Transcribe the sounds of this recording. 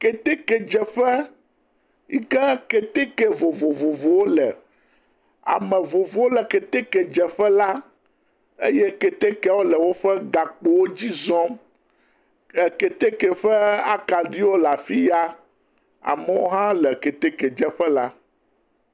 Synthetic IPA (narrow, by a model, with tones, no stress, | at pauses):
kɛ˨t̪e˦kɛ˨d͡ʒɛ˨ɸɛ˦ | i˦kɛ˦ke˨t̪e˦kɛ˦vo˨vo˨vo˨vo˨wo˦lɛ̰˨ | a̰˨mɛ̃˨vo˨vo˨˦wo˦lɛ˨ke˨t̪e˦kɛ˨d͡ʒɛ˨ɸɛ˦la˦ | ḛ˦jɛ˦ke˨t̪e˦kɛ˦wo˦lɛ˨wo˦ɸɛ˦ɡa˨k͡po˨wo˦d͡ʑi˦zɔ̃˦ | ɛ˨ke˨t̪e˦kɛ˨ɸɛ˦a˦ka˨ɖi˦wo˦la˨fi˦ja˦ | a̰˨mɛ˨wo̰˦ɦã˦lɛ˨ke˨t̪e˦kɛ˨d͡ʒɛ˨ɸɛ˦la˦